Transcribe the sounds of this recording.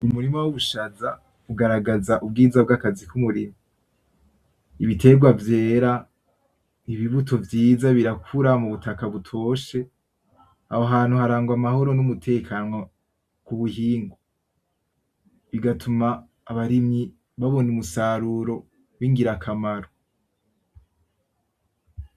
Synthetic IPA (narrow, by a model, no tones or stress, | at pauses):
umuɾimowuβuʃaza | uɡaɾaɡazaʔub̚ɡiːzabɡakazikumuɾimo | iβite̞ɡwavje̞ːɾa | iβiβutʰo̞vjiːzaβiɾakʰuɾamuβutʰakaβutʰo̞ːʃe̞ | ahoɦaːn̥uhaɾaːŋɡwamaho̞ɾo̞numutʰe̞ːkʰaːnŋo | kuβuhiːŋɡo | βiɡatʰumaː | βaɾimɲi | βaβo̞numusaːɾuɾo̞ | βiŋɡiɾakʰamaɾo